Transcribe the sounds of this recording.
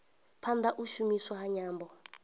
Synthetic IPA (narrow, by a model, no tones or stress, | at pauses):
pʰand̪ʱaʔuʃumiswahaɲaːmbɔ